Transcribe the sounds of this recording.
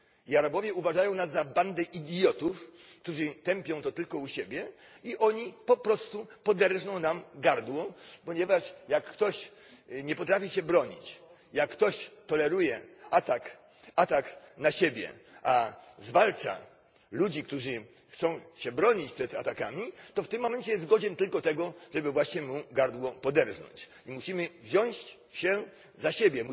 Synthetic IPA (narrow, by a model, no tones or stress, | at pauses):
iaɾabɔvʲjɛuvaʐajɔ̃w̃nazːaband̪ɛʔid̪ʲjɔt̪uf | k̚t̪uʐɨt̪ɛmpʲjɔ̃w̃t̪ɔt̪ɘlkɔuɕebʲjɛ | iʔɔɲipɔpɾɔst̪upɔd̪ɛɾʐnɔ̃w̃namɡaɾd̪wɔpɔɲɛvaʂjakːt̪ɔɕ | ɲɛpɔt̪ɾafʲiɕɛbɾɔɲit͡ɕ | jakːt̪ɔɕt̪ɔlɛɾujɛat̪ak | at̪aknaɕebʲjɛ̰ʔazvalt͡ʂa̰ | lud͡ʑikt̪uʐɘ | xt̪sɔ̃w̃ɕɛbɾɔɲit͡ɕpʂɛt̪a̰t̪akamʲit̪ɔft̪ɘmːɔmɛɲʲt͡ɕɛjɛst̪ɡɔd͡ʑɛnt̪ɘlkɔt̪ɛɡɔʐɛbɘvwaɕɲɛmuɡaɾd̪wɔpɔd̪ɛɾʐnɔ̰ɲt͡ɕ | imuɕimɘvʑɔ̃w̃ɕ | ɕɛ | zaɕebʲjɛm